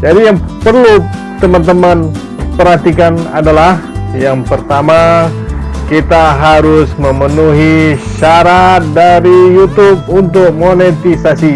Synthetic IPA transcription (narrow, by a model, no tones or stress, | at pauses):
d͡ʒadijaŋpərlut̪əmant̪əman | pəɾhat̪ikana̰dalahjaŋpərt̪ama | kit̪aɦaɾʊsməmənuɦiʃaɾat̪̚daɾijut̪ʊp̚unt̪ʊk̚monet̪isasi